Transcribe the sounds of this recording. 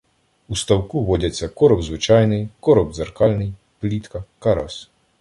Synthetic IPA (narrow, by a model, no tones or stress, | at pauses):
ust̪ɐwkuʋɔdʲɐt͡sʲːɐkɔɾɔbzʋɪt͡ʃɑjnɪjkɔɾɔbzerkɑlʲnɪj | plʲit̪kɐkɐɾɔs